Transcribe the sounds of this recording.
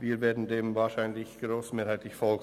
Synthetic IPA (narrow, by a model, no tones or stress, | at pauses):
viːveːɐdn̩deːmvaːʃaɪnlɪçɡ̥ʁoːsmeːhaɪtlɪçfoː